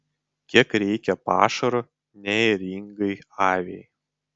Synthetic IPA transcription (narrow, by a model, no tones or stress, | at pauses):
kʲiɛkɾʲɛɪkʲɛpɑ̰ːʃɐɾo | nʲɛɛɾʲɪŋɡɐɪɑːʋʲej